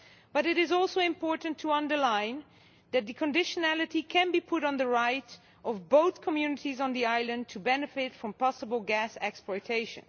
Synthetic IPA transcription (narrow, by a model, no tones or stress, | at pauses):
b̥ʌɾɨɾɪzɔlˠsoʊɪ̃mpʰɔɹʔn̩tʰəʌ̃ndə˞lãɪ̃n | ðɨt̪̚ðɨkʰə̃ndɪʃənælˠɨɾikʰɨ̃nbipʰʊɾn̩ðəɹaɪɾ | ʔʌvboʊθkʰəmjʉnɨɾiz̃n̩ðiaɪlˠɨ̃n̚tʰɨbɛnɨfɪtfɹʌ̃mpɑsəbl̩ˠɡæsɛkspɔɹtʰeɪʃɨ̰̃n